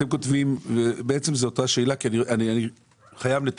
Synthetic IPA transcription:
temko̞tvimvebeet͡se̞mzeotaʃe̞ːlakianiʔaniani | χajavlet

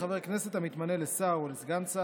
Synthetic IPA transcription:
aveʁkne̞se̞t̪amit̪manelesaolezɡansa

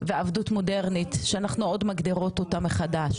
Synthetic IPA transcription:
veavdutmo̞deʁnit̪ʃeanaχnuo̞dmaɡd̪iʁo̞totameχadaʃ

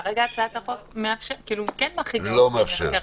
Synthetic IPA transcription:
ʁeɡaːt͡saat̪aχotmeafʃekiːlukenmaχilomeafʃḛa

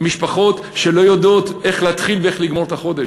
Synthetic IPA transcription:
miʃpaχo̞t̪ | ʃelo̞jod̪o̞t̪ʔe̞χleat̪χilveeχliɡmo̞ʁt̪aχo̞d̪e

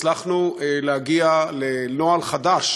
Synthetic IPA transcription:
laχnuleaɡialenoalχad̪aʃ

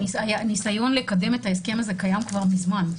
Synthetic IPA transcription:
isajanisajo̞nle̞kade̞metaeske̞maze̞kajamkvaʁmizman

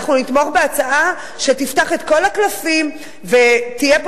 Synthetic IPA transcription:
χnunit̪mo̞χbe̞at͡saʔa | ʃe̞tiftaχet̪ko̞laklafim | vet̪ijep

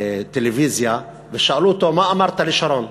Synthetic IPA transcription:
t̪eleviːzja | veʃaʔlut̪omaʔamaɾˤt̪alɪʃaɾon

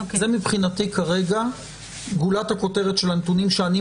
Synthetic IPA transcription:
zemipχinat̪ikaʁe̞ɡa | ɡulat̪hako̞teʁet̪ʃelanet̪unimʃeani

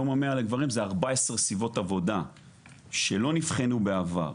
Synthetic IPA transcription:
omamealeɡvaʁimzeaʁbaesesivo̞tavo̞da | ʃe̞lo̞nifχenube̞ava̰ʁ

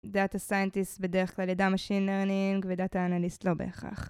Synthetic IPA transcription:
d̪at̪asajentistbedeʁeχklaljadamaʃinleʁniŋɡved̪at̪aːnalistlo̞be̞̰ːχa̰χ

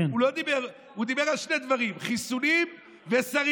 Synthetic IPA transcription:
ulod̪ibeʁ | ud̪ibe̞ʁalʃned̪vaʁimχisunim | vesaʁ

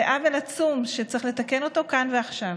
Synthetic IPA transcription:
eʔavelat͡sumʃet͡sʁiχle̞t̪ake̞no̞t̪o̞kanveaχʃav

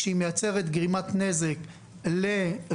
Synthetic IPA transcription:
eimejat͡se̞ʁet̪ɡʁimat̪ne̞zek | le

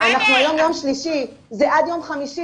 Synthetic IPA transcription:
anaχnuajomjo̞mʃliʃizeʔad̪jo̞mχamiʃi

